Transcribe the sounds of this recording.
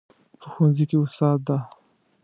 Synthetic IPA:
pʰəxwanzikeʊst̪ɑːd̪̚d̪a

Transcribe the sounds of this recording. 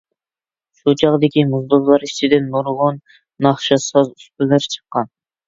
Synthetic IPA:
ʃut͡ʃʰɑʁd̪ekʲʰimuzd̪ozlˠɑɾiʃt͡ʃʰid̪enːoɾʁonː | ɑχʃɑsɑzyst̪yleɾt͡ʃʰə̥qːɑn

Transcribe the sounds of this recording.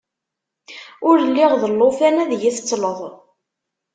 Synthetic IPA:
ʊɾlːiʁðəlːofænæðjiθət͡sːləðˤ

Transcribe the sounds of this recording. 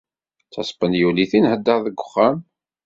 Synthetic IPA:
t͡sːɑsˤpənjuliθinhəd̪ːəɾˤðəɡʷʊχːæn

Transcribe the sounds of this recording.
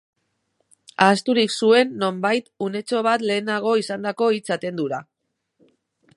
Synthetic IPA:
aːst̪uɾiksue̞nːo̞mbajt̪une̞t͡so̞β̞at̪le̞ːnaɣ̞o̞isand̪ako̞it͡sat̪e̞nd̪uɾa

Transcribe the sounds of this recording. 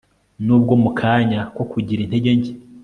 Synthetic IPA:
nuːb̚ɡo̞mukʰaːɲako̞kuɟiɾin̥he̞ɟe̞ɲɟe

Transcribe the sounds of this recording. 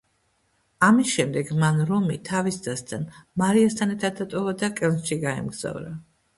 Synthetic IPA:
amisʃɛmd̪ɛɡmanɾɔmit̪ʰavisd̪zast̪ʰanmaɾiast̪ʰanɛɾt̪ʰad̪̚ːat̪ʼɔvad̪akʼɛlˠnʃiɡaɛ̰mɡz̥a̰vɾa

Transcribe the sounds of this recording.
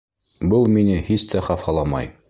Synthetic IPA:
bɤlˠminɘhist̪æχɑfɑlˠɑmɑ̰j

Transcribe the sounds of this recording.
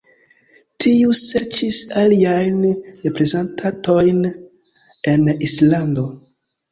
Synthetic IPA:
tʰiuse̞ɾt͡ʃisaliajnɾe̞pɾe̞zentʰato̞jn | e̞nislando̞

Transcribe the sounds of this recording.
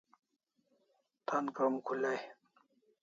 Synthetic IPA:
t̪ʰankamkʰulaj

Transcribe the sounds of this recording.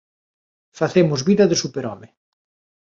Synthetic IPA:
faθemʊzβiðɐðesupeɾɔmɪ

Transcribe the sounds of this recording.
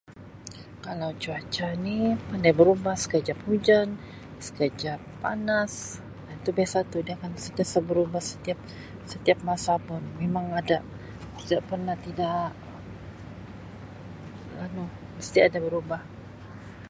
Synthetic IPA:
kalawd͡ʒuat͡ʃanipandajbəɾubahsə̥kəd͡ʒap̚hud͡ʒan | sə̥kəd͡ʒapːa̰nas | dant̪ubiasat̪udiaakansət̪asabəɾubahsə̥t̪iap̚ | sət̪iap̚masapʊnmemaŋada | t̪idaʔpərnaht̪idaʔ | ə | lanu | məst̪iadabəɾubah

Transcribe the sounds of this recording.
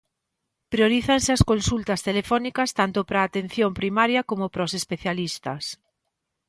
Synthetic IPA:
pɾjoɾiθansɪaskonsult̪ɐst̪elefɔnikɐst̪ant̪ʊpɾaːt̪en̟θjompɾimaɾjɐkomʊpɾɔsespeθjalist̪ɐ̰s

